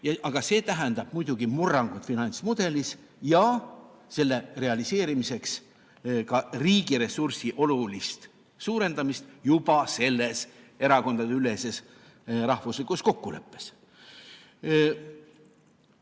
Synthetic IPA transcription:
jɑʔɑɡ̥ɑse̞ːt̪æɦɛnd̪ɑb̥̚mujd̪̥uɡ̥imurːɑŋɡ̥ut̪finɑnʲt̪smud̪̥e̞lis | jɑ | se̞lːe̞re̞ɑlise̞ːɾimise̞ks | kɑriːɡ̥iɾe̞sursiʔo̞lulist̪ | suːɾe̞nd̪ɑmist̪jub̥ɑse̞lːe̞s | e̞ɾɑko̞nd̪̥ɑd̪eyle̞se̞s | ɾɑhvuslikusko̞kːule̞̰pˑːe̞̥s

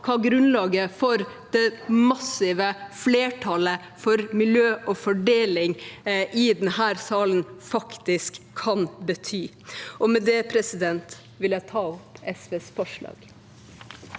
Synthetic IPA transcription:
kʰɑːɡɾʉnlɑːɡəfɔɾd̪̥ɛmɑsɪʋəfleːʈʰɑlə | fɔɾmɪljøːʔɔfɔɖeːlɪŋʔɪd̪ɛnhæːɾsɑːlənfɑkt̪ɪskʰːɑnbət̪ʰyː | ʔɔmɛd̪ɛpʰɾɛsɪd̪ɛnt̪ | ʋɪljæɪt̪ʰɑːɔpɛsʋeːsfɔʂɭɑ̰ːɡ

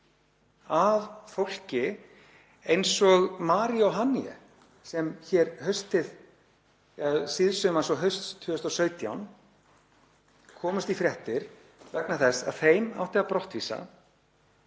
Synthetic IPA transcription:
avfowl̥cɪ | ejnsɔɣmaːɾiɔwɦanːiɛ̰ | sɛmçɛɾhœɥst̪ɪð | asɪðsʏmansɔɦœɥst̪st̪ʰːʏːʏst̪ɔwsœːɥt̪ja̰wn | kʰɔːmʏst̪ifɾjɛht̪ɪɾ̥ | vɛknaθɛsːa̰ð̥θejma̰wht̪ɛapɾɔht̪viːsa̰

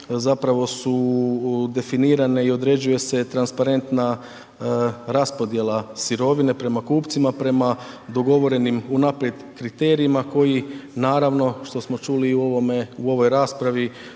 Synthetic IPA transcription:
zapɾaʋo̞su | d̪e̞finiːɾane̞io̞d̪ɾe̞d͡ʑuje̞se̞t̪ɾanspaɾe̞nt̪na | ɾaspo̞d̪je̞lˠasiɾo̞ʋine̞pɾe̞makuːpt̪simapɾe̞ma | d̪o̞ɡo̞ʋo̞ɾe̞nimunapɾje̞d̪kɾit̪e̞ːɾiimako̞jinaːɾaʋno̞ʃt̪o̞smo̞t͡ʃuːliomeuo̞ʋo̞jɾaːspɾaʋi

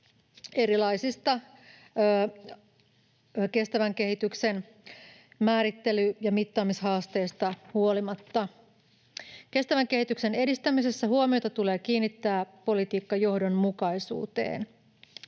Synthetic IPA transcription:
e̞ɾilɑisist̪ɑː | ke̞st̪æʋæŋke̞ɦit̪ykse̞n | mæːɾit̪ːe̞lyjɑmit̪ːɑːmisɦɑːst̪e̞ːst̪ɑhuolimɑt̪ːɑ | ke̞st̪æʋæŋke̞hit̪ykse̞ne̞dist̪æmise̞sːæɦuomio̞t̪ɑt̪ule̞ːk̟iːnːit̪ːæːpo̞lit̪iːkːɑjo̞hdonmukɑisṵːt̪e̞̰ːn

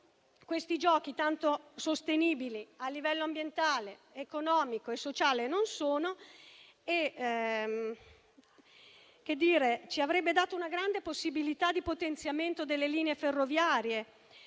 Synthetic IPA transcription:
kwest̪id͡ʒɔːkit̪ant̪osost̪eniːbilialːivɛlːoambjent̪aːleːkonɔːmikoesːot͡ʃaːlenonsoːno | e | kːed̪ːiːɾet͡ʃiavɾɛbːed̪aːt̪ounaɡɾand̪eposːibilit̪ad̪ːipot̪ent̪sjament̪od̪elːeliːneeferːovjaːɾje

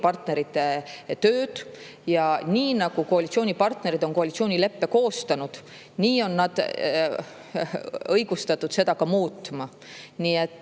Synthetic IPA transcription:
pɑrt̪ne̞ɾit̪ːˑe̞t̪øːd̪̥ | jɑniːnɑɡ̥ukoɑlʲit̪sioːnʲipɑrt̪ne̞ɾid̪̥o̞ŋko̞ɑlit̪sio̞ːnʲile̞pːe̞ko̞ːst̪ɑnud̪̥ | niːo̞nːɑd̪̥ | ɤjɡ̥ust̪ɑt̪ːˑud̪̥se̞d̪ɑkɑmuːt̪ːˑmɑ | niːet̪ːˑ

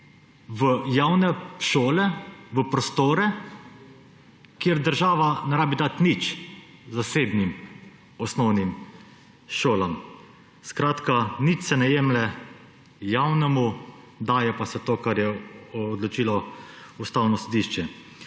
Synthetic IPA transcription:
ʋəjawnɛʃoːlɛʋəpɾɔst̪oːɾɛ | kjeɾd̪əɾʒaːʋanɛɾaːbid̪at̪nit͡ʃzaseːbnim | ɔsnɔwnim | ʃoːlam | skɾaːt̪kanit͡ʃsɛnɛjemlɛ | jawnɛmu | d̪aːjɛpasɛt̪oːkaɾjɛːd̪lɔt͡ʃiːlɔust̪aːwnɔsɔd̪iʃt͡ʃɛ

